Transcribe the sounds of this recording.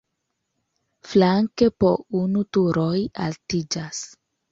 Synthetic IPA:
flaŋke̞po̞̰unutuɾo̞ja̰ltid͡ʒas

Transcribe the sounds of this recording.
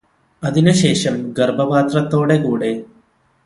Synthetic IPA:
ɐðinɨɕeːʂɐmɡɐɾbʱɐpaːt̪ɾɐt̪ːo̞ːɽekuːɽe

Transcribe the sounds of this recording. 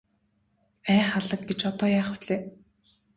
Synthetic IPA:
æːχaɮə̆k̚ɡet͡ɕɔt̪ɔːjaːχʊɮeː

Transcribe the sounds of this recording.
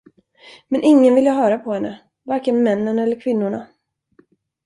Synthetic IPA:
mɛnʔɪŋːənvɪljaɦœːɾapʰɔhɛnːə̰ | vaɾkənmɛnːənɛlːəɾkʰvɪnːʊɳa

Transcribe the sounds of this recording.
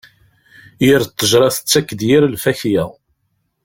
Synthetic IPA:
jiɾt̪ˤːəʒɾˤɑθə̥t͡sːækːəd̪jiɾlfæçjæ

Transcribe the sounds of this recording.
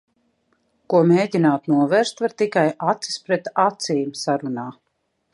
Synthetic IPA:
kuɔmeːɟinaːt̪nuɔvɛːɾst̪vaɾt̪ikajat̪si̥spɾɛt̪at̪siːmsaɾunaː

